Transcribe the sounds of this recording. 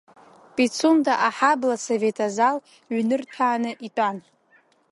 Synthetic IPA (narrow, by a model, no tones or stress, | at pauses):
pʼit͡sʰumdʰaʔaħablasove̞tʰʼazal | ɥnɨrtʰaːnɨʔitʷʼan